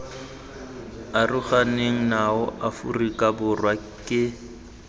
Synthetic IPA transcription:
arʊχaneŋ̩naʊʔafṵrikʼabʊrwa | kʼɪ

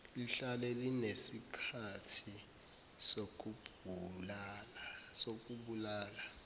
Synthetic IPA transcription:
liɬalelinesikʰatʰi | sok̬ubʱulalasok̬ʼuɓulaːla

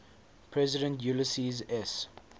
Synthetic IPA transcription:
pʰɹɛzɪdə̃ntjuləsizɛs

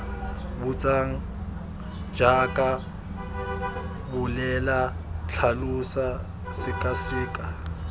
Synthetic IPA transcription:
but͡sʼaŋ̩ | d͡ʒakʼa | bʊlɛla | t͡ɬʰalusa | sɪkʼasiːkʼa

